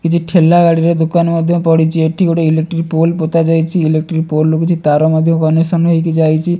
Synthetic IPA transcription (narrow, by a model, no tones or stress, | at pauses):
kit͡ʃʰuʈʰelːaɡaɽiɾed̪okanmɔd̪ʱjɔpɔɽit͡ʃʰieʈʰiɡoʈoilek̚ʈɾipolpot̪ad͡ʒajt͡ʃʰiilek̚ʈɾipolːukit͡ʃʰut̪aɾomɔd̪ʱjɔkɔneʃɔnɦojked͡ʒajt͡ʃʰi